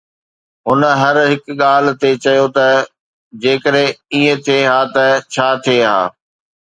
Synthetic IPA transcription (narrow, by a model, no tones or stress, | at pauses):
ɦʊnə̆ɦɐɾɦɪkɠaːl̤ɪ̆t̪et͡ɕɐjot̪ɐ | d͡ʑeːkəɗẽiːə̃t̪ʰieɦaːt̪ɐt͡ɕʰaːt̪ʰieɦa̰ː